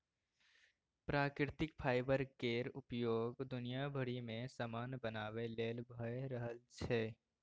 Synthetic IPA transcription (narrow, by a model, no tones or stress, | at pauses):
pɾaːkɾɪt̪ɪkpʰaːɪbəɾkeːɾʊpjoːɡd̪ʊnijabʱəɽimẽsəmaːnbənaːʋeleːlbʱəeɾəɦəlt͡ʃʰeː